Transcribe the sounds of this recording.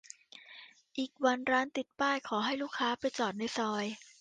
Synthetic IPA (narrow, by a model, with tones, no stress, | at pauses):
ʔiː˨˩k̚wa˧nɾaː˦˥nt̪i˨˩t̪̚paː˥˩jkʰɔː˩˦ɦa˥˩jluː˥˩kʰːaː˦˥pa˧jt͡ɕɔː˨˩t̪̚na˧jsɔː˧j